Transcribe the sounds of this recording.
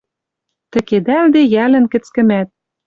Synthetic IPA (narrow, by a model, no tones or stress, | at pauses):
t̪ɘ̆ked̪æld̪ejælɘ̆nkɘ̆t͡skɘ̆mæt̪̚